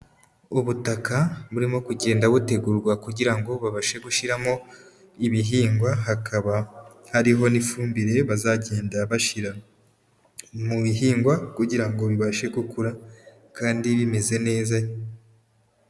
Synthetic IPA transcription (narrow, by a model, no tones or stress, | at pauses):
uβutakaβuɾimo̞kuɟe̞ːndaβute̞ɡuɾɡwakuɟiɾaŋɡo̞βaβaʃe̞ɡuʃiɾamo̞ | iβiɦiːŋɡwaɦakʰaβa | haɾiɦo̞nifuːmbiɾe̞βazaɟe̞ːndaβaʃiɾa | muβiɦiːŋɡwakuɟiɾaŋɡo̞βiβaʃe̞ɡukuɾa | kaːndiβime̞ze̞ne̞ːzajo